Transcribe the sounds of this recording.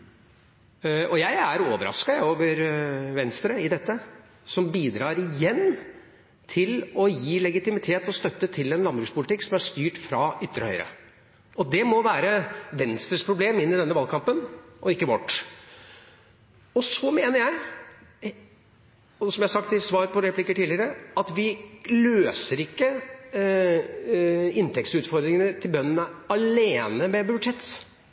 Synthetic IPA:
ɔjæɪæɾoːʋəɾɑ̰skɑoːʋəɾʋɛnst̪ɾəɪd̪ɛt̪ːə | sɔmbiːd̪ɾɑːɾɪjɛnː | t̪ʰɪlɔjiːlɛɡɪt̪ɪmɪt̪ʰeːt̪ɔst̪œt̪ːət̪ʰɪlɛnlɑnbɾʉːkspʰʊlɪt̪ɪkːsɔmæʂt̪yːʈfɾɑʏt̪ːɾəhœʏəɾə̰ | ʔɔd̪ɛmɔʋæːɾəʋɛnst̪ɾəspʰɾʊbleːmɪnːɪd̪ɛnːəʋɑlkʰɑmpənʔɔɪkːəʋɔʈː | ɔsɔmeːnəɾjæɪ | sɔmjæhɑsɑkt̪ɪsʋɑːɾpʰɔɾɛpʰlɪkːəʈiːlɪəɾəɑt̪ʋɪløːsəɾɪkːə | ɪnt̪ʰɛksʉːt̪fɔɾd̪ɾɪŋənət̪ʰɪlbœnːənəɑleːnəmɛbʉd͡ʒɛt̪s

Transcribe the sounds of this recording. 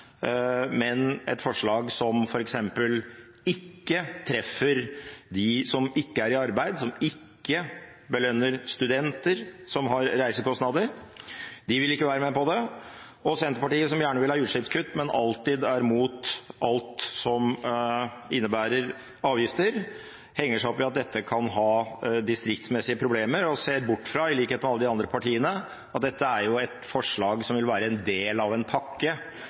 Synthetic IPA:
mɛnɛ̰t̪fɔʂɭɑːɡsɔmfɔɾɛksɛmpəl | ɪkːət̪ʰɾɛfːəɾd̪ɪsɔmɪkːəæɾɪɑɾbæɪd̪sɔmɪkːə | bəlœnːəɾst̪ʉd̪ɛnt̪əɾsɔmɦɑɾːæɪsəkɔst̪nɑd̪əɾ | d̪ɪʋɪlɪkːəʋæːɾəmɛpɔd̪ɛ | ɔsɛnt̪əɾpɑʈiːəsɔmjæːɳəʋɪlhɑːjʉːʂɪptskʰʉt̪ːmɛnɑlt̪ɪd̪æɾmuːt̪ʔɑlt̪sɔm | ɪnːəbæːɾəɾ | ɑːʋjɪft̪əɾ | hɛŋːəʂæɔpɪɑt̪̚d̪ɛt̪ːəkʰɑnɦɑːd̪ɪst̪ɾɪk̚t̪smɛsɪəpʰɾʊbleːməɾɔseːɾbʊʈːfɾɑɪliːkheːt̪mɛɑlːəd̪ɪɑnd̪ɾəpʰɑʈiːənə | ɑt̪̚d̪ɛt̪ːəæɾjʊɛt̪fɔʂɭɑːɡsɔmʋɪlʋæːɾəɛnd̪eːlɑʋɛnpʰɑkːə

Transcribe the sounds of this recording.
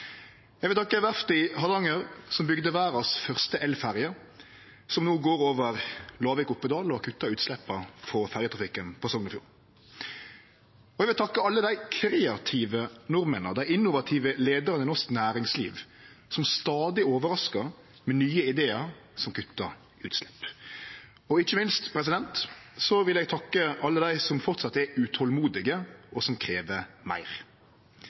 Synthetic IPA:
jæɡʋɪlt̪ɑkːəʋæʁft̪ɪhɑlɑŋəɾsɔmbʏɡd̪əʋæːɾɑsfœʁst̪əʔɛlfæʁjə | sɔmnoːɡoːɾoːʋəɾlɑːʋɪkʊpːəd̪ɑːlɔkʰʉt̪ːɑʉːt̪slɛpːɑfɔfæɾjət̪ʰʁɑfɪkːənpʰɔsɔŋnɔfjuːɾ | ɔɛɡʋɪlt̪ʰɑkːəɑlːəd̪æɪkʰɾeːɑt̪ʰiːʋənɔɾmənə̰d̪æɪɪnːʊʋɑt̪ʰiːʋəleːd̪əɾənɛnɔsknæːɾɪŋslḭːʋ | sɔmst̪ɑːd̪ɪoːʋəɾɑskəʁ | mɛnyːəɪd̪eːəɾ | sɔmkʰʉt̪ːəɾ | ʉ̰ːt̪slɛ̥pː | ɔɪçəmɪnst̪pʰɾɛs̬ɪd̪ɛnt̪sɔʋɪlɛɡt̪ʰɑkːəɑlːəd̪æɪsɔmfɔʁt̪sɑt̪ːɛʉt̪ʰɔlmuːd̪ɪɡəɔsɔmkʰɾeːʋəmæ̰ɪʁ

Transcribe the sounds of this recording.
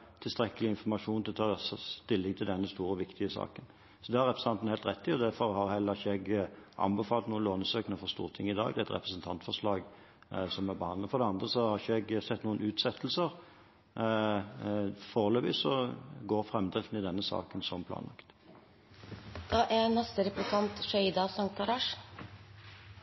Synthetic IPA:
t̪ʰɪlst̪ɾɛkːəlɪɪnfɔʁmɑʂuːnt̪ʰɪlɔt̪ʰɑːst̪ʰɪlːɪɡt̪ʰɪld̪ɛnːəst̪uːɾəɔʋɪkt̪ʰɪəsɑ̰ːkən | sɔd̪ɛhɑɾɛpʰɾəsn̩ʰɑnt̪n̩hɛɪlt̪ʁɛt̪ːɪɔd̪æɾfɔʁhɑɾhɛlːəɪçɛɡʔɑ̰nbəfɑːlt̪nuːənloːnəsøːknəfɔʁst̪ṵːʁt̪ʰɪŋːɪd̪ɑ̰ːɡd̪ɛæɪt̪ɾɛ̰pɾəsənt̪ʰɑnt̪fɔʁʂlɑːɡ | sɔmæɾbəhɑnəfɔɾd̪ɛɑnd̪ɾəsɔhɑɾçəɛɡsɛt̪ːnuːənʉːt̪sɛt̪ʰːəl̩səɾ | foːʁløːʋɪsɔɡoːʁfɾɛmd̪ʁɪft̪n̩ɪd̪ɛnːəsɑ̰ːkənsɔmpʰlɑ̰ːnlɑ̰kt̪ | d̪̥ɑːʔænɑst̪əɾɛplɪk̪ʰɑnt̪ʃœʏd̪ɑsɑŋt̪̚ɡɑɾɑːʂ

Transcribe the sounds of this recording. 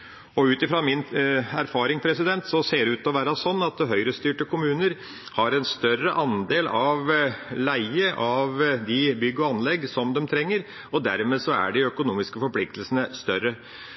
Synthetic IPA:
ɔʉːt̪ɪfɾɑmɪnæɾfɑːɾɪŋpʰɾɛsɪd̪ɛnt̪sɔseːɖɛʉːt̪ɔʋæːɾɑsɔnːɑt̪ɦœʏɾəst̪yːʈəkʰʊmʉːnəɾ | hɑɾɛnst̪œrəʔɑnd̪eːlʔɑʋlæɪəʔɑʋd̪ɪbʏɡːɔɑnlɛɡsɔmd̪ɛmt̪ʰɾɛŋːəɾ | ɔd̪æɾmeːsɔæ̰ɖɪœkʊnuːmɪskəfɔɾpʰlɪk̚t̪əlsənəst̪œɾə

